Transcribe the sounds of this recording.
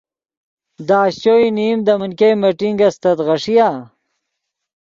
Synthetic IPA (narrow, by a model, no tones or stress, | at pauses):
d̪aːɕt͡ɕoinimd̪əmənkejmeʈiŋɡɐst̪ɐt̪ʁɐʂija